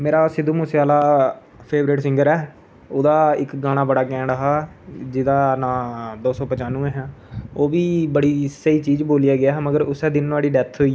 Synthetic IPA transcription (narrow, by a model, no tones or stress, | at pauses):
meːɾaːsɪd̪uːmʊsɪjaːlaː | pʰeːʋɾeːʈsɪ̃ŋɡəɾɛː | oːd̪aːɪkɡaːɽ̃aːbəɽaːkɛ̃ːɳɖəɦaː | d͡ʒɪd̪aːnãːd̪oːsɔːpət͡ʃaːnũːẽːɦãːoːʋiːbəɽiːsəiːt͡ʃiːzboːlɪjaːɡɪaːɦɛːməɡəɾʊsɛːd̪ɪnːaːɽiːɖɛːt̪ʰɦoiː